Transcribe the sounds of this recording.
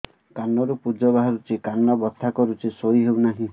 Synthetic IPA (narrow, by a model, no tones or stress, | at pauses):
kanɔɾupud͡ʒɔbaɦɔɾut͡ʃʰikanːɔbɔt̪ʰːakɔɾut͡ʃʰisojɦewnaɦĩ